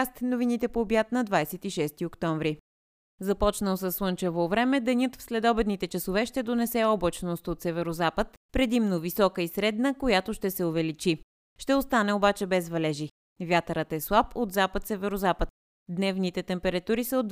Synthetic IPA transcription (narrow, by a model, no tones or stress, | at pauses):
st̪novinit̪ɛpoːbjat̪nɐd̪vajsɛt̪iʃɛst̪iokt̪ɔɱvɾi | zɐpɔt͡ʃnəlˠsəsːlˠɤnt͡ʃɛvovɾɛmɛd̪ɛnʲjɤt̪fslɛd̪ɔbɛd̪nit̪ɛt͡ʃɐsovɛʃt̪ɛd̪onɛsɛɔblˠət͡ʃnost̪ot̪sɛvɛɾozapət̪pɾɛd̪imnovisɔkəisɾɛd̪nəkojat̪oʃt̪ɛsɛovɛlit͡ʃi | ʃt̪ɛost̪anɛobat͡ʃɛbɛzvɐlɛʒi | vʲjat̪əɾət̪ɛslˠapʰod̪zapət̪sɛvɛɾozapət̪̚ | d̪nɛvnit̪ɛt̪ɛmpɛɾɐt̪uɾisəod̪